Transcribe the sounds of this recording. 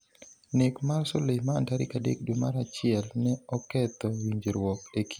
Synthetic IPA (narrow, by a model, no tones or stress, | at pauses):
nɪkmarsolema̰ːntaɾḭkadḛkdumaɾat͡ʃɪɛlnɛɔkɛt̪ɔwiɲd͡ʒeɾwɔkekʰi̥